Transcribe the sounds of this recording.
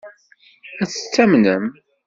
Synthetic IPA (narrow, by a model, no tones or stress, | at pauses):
æθə̥t͡sːæmnəm